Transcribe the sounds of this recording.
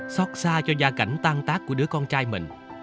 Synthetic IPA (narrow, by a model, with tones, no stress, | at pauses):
sɔ˦˥t̚saː˧t͡ɕɔ˧zaː˧ka˧˩jŋ̟t̪aː˧ŋt̪aː˦˥k̚ːu˧˩əɗɨ˨˦əkɔ˧nt͡ɕaː˧jmï˨˩ŋ̟